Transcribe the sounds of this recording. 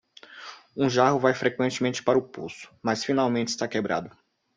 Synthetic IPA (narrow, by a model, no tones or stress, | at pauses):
ũʒaɦʊvajfɾekwẽnt͡ʃɪmẽnt͡ʃɪ̥paɾɐʊpṵsʊ̥masfinawmẽnt͡ʃɪ̥st̪akebɾa̰d̪ʊ